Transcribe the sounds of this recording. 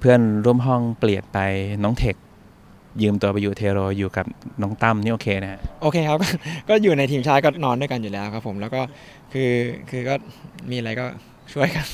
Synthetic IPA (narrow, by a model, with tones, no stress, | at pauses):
pʰɯ˥˩ənɾu˥˩əmɦɔ˥˩ŋpli˨˩ət̪̚pa˧jnɔː˦˥ŋt̪ʰe˨˩k̚ | jɯː˧mt̪u˧ɐpa˧juː˨˩t̪ʰeː˧ɾoː˧juː˨˩ka˨˩p̚nɔː˦˥ŋt̪a˥˩mniː˥˩˨oː˨˩kʰeː˧na˦˥ha˦˧˥ʔʔoː˧kʰeː˧kʰa˦˥p̚kɔː˥˩kɔː˥˩juː˨˩na˧jt̪ʰiː˧mt͡ɕʰaː˥˩t̚kɔː˥˩nɔː˧ndu˥˩əjka˧njuː˨˩lɛː˦˥wkʰa˦˥pʰːo˩˦mlɛ˦˥wkɔː˥˩ | kʰɯː˧kʰɯː˧kɔː˥˩miː˧a˧ɾa˧jkɔː˥˩ | t͡ɕʰu˥˩əjkʰa˦˥˩n